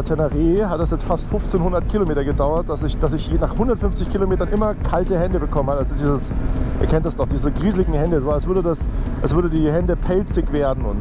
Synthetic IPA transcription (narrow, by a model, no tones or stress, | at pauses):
tʰɛnaʁeːɦatd̥asjɛt͡stfastfʊnft͡seːnhʊndɐtkʰilomeːtɐɡədaʊɐt̚d̥asɪçd̥asɪçinaːχhʊndɐtfʏnft͡sɪçkʰilomeːtɐnʔɪmɐkʰaltəhɛndəbəkʰɔmənhatazodiːzəsʔiːɐkʰɛntd̥asd̥ɔχd̥iːzəɡʁiːzəlɪɡŋ̩hɛndəzaːɛs̬v̥ʏɐdədasʔɛsv̥ʏɐdədiːhɛndəpʰɛlt͡sɪkv̥eːɐdn̩ʊnt